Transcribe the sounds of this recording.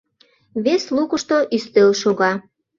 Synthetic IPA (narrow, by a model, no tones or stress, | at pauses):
βeslukəʃt̪oʔyst̪elʃuɣɑ